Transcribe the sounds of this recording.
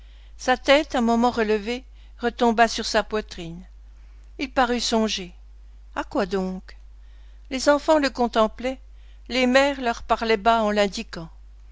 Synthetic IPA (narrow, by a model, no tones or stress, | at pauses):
sat̪ɛt̪ɛ̃mɔmɑ̃ʁələve | ʁət̪ɔ̃basyʁsapwat̪χin | ilpaʁysɔ̃ʒe | akwad̪ɔ̃k | lezɑ̃fɑ̃ləkɔ̃t̪ɑ̃plɛ | lemɛʁlœʁpaʁlɛbaɑ̃lɛ̃d̪ikɑ̃